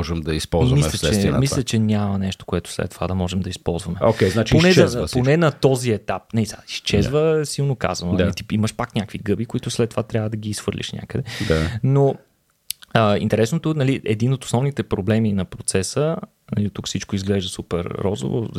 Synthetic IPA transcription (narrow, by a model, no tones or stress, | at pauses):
ɔʒɛmd̪ɐispɔlˠzvmimlɐst͡ʃɛɛmislʲɛt͡ʃɛɲʲamənɛʃt̪o̥koɛt̪ʊ̥slɛ̰t̪ːo̥va̰d̪ɐmɔʒɛmd̪ɐispɔ̰lˠzvɐmɛo̰kʲɛznat͡ʃponɛponɛnɐt̪ɔziɛt̪ap̚nɛisɛaist͡ʃɛzvəɛsilˠnoka̰zɐnoait̪i̥iməʃpakɲʲakviɡɤbikoit̪ʊslɛt̪ːo̥vat̪ɾʲavəd̪ɐɡiːsxfɤɾlʲʔḭʃnʲa̰kəd̪ɛd̪ano | əḭnt̪ɛɾɛsnot̪onɐliʔɛd̪inot̪o̥snɔvnit̪ɛpɾoblɛminɐpɾot̪sɛsə | nɐ̰lit̪ukfsit͡ʃkoizɡlɛʒd̪əsupɛ̰ɾːɔ̰zo̰vo̰